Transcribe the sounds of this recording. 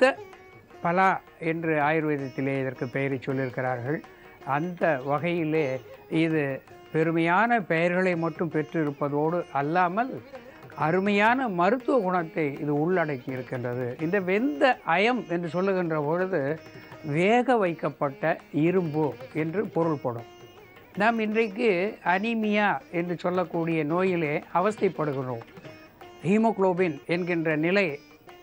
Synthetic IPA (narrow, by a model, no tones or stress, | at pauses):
t̪ːɐ | pɐlaː | ɛndrɯaːjɪɾɯʋeːðɐt̪ːɪleːɪðɐrkɯpɛjɐɾɛt͡ʃːɔlːɪɾɯkːɪɾaːɾɣɐɭ | ɐnd̪ɐʋɐɣɐjɪleːɪðɯ | pɛɾɯmɐjaːnɐpɛjɐɾɣɐɭɐɪmɐʈːɯmpɛʈrɪɾɯpːɐðoːɽɯʔɐlːaːmɐl | ɐɾɯmɐjaːnɐmɐɾɯt̪ːɯʋɐɣʊɳɐt̪ːɐɪɪðɯʊɭːɐɽɐɪkːɪɾɯkːɪndrɐðɯʔɪnd̪ɐʋɛnd̪ɐʔɐjɐmɛndrɯsɔlːɯɣɪndrɐpɔɻɯðɯʋeːɣɐʋɐɪkːɐpːɐʈːɐɪɾɯmbɯɛndrɯpɔɾɯɭpɔɽɯ̰m | naːmɪndrɐɪkːɯɐnɪmɪjaːɛndrɯsɔlːɐkːuːɽɪjɐnoːjɪleːɐʋɐsɐɐpːɐɽɯɣɪroːm | hiːmoːkloːbɪnɛnɡɪndrɐnɪlɐɪ